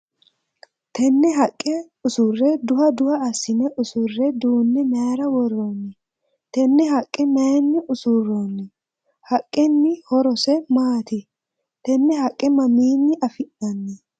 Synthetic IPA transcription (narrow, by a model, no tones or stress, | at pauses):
t̪ʰɛnːɛɦɐkʼːɛ | ʊsʊrːɛd̪ʊhɐd̪ʊhɐɐsːɪnɛʔʊsʊrːɛd̪uːnːɛmaːɾɐwɔrːonːɪ | t̪ɛnːɛhɐkʼːɛmɐjnːɪʔʊsʊrːonːɪ | hɐkʼːɛnːɪhɔɾɔsɛmaːt̪ɪ | t̪ɛnːɛhɐkʼːɛmɐmiːnːɪʔɐfɪʔɐnːɛ